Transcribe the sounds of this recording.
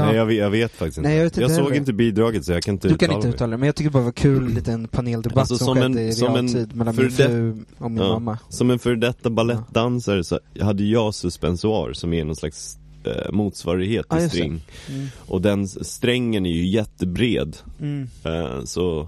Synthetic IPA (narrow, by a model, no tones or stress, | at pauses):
ɛjɑvjɑveːt̪fak̚t̪ɪ̥sɪnɛjveːt̪jɑsoːɡɪnt̪əbiːd̪ɾɑːɡət̪sɔjɑkʰanɪnt̪əʉdːtkanɪləʉːɑlaɛmɛnjɑt̪ʏk̪̚əbɑɾavakʰʉ̟ːlliːt̪əɛnpʰaneːld̪ɛbasɔssɔmɛnɾsɔmɛniːd̪mɛlafœɾɛɔmɪnɑmːamːasɔmɛnfœɾɖ̪ɛt̪ːabalɛt̪ːd̪ansəɾsɔ̰had̪ːəjjɑːsɵspɛnsʊɑ̰ːɾsɔmæɳɔnsla̰ks | muːt̪svɑ̰ːɾɪɡheːt̪ːɪjssɾɛ̰ŋː | ʔɔd̪ɛnst̪ɾɛŋːənæɾjɵjɛt̪ːəbɾḛːd̪̰ | sɔ